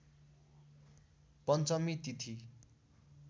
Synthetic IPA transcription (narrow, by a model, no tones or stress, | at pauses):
pʌnt͡sʌmit̪it̪ʰi